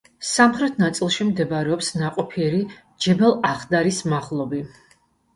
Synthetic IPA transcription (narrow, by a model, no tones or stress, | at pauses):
samχɾɛt̪ʰnat̪sʼilˠʃimd̪ɛbɾɛɔpsnaqʼɔpʰiɛɾi | d͡ʒɛbɛlˠaχd̪aɾismaχlˠɔbi